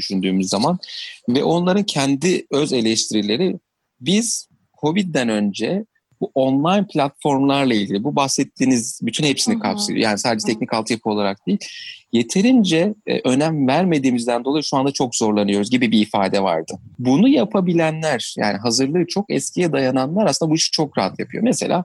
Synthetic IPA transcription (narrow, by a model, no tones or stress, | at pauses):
dyʃynd̪yːmyzːamanvɛʔo̞nlˠaɾɯncʰɛnd̪iø̞ze̞lʲɛʃt̪ʰiɾilʲe̞ɾi | biz̥ | hʰo̞bid̪̚d̪ænø̞nd͡ʒɛ | buʔo̞nlˠajnpʰlʲat̪fo̞ɾmlˠaɾlˠailʲɟilʲibubaxsɛt̪ʰːiːnizbyt̪ʰynhepsinikʰapseijo̰jaːnisaːd̪ed͡ʒɛt̪ʰɛc̚nicalˠt̪ʰɯjapʰɯo̞lˠaɾak̚d̪̥ejilʲje̞t̪ʰe̞ɾind͡ʒɛ̰ʔø̞næmvæɾme̞d̪iːmizd̪ænd̪o̞lˠajiʃuand̪at͡ʃʰo̞kzo̞ɾlˠanɯjo̞ɾuzɟibibiːfaːd̪ɛva̰ɾd̪̥ɯbunujapʰabilʲænlʲæɾ̥ja̰ːniɦazɯɾlˠɯːt͡ʃʰo̞kɛ̰scʰijɛd̪ajananlˠaɾasɯnabuiʃi̥t͡ʃʰo̞kɾaɦat̪ja̰pʰɯjo̞̰mese̞̰lʲʔa̰ː